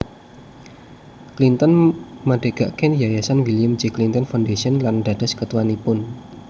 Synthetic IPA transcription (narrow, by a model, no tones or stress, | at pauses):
klint̪ənmaɖ̥e̤ɡ̥a̤ʔkɛnjajasanwilijamd͡ʒiklint̪ənfaundesiənlanɖa̤d̥ə̤skət̪uwanipʊn